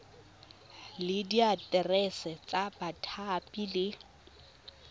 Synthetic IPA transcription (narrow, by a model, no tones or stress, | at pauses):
lɪdiatʼɛrɛsɛt͡sʼabatʰapʼilɪ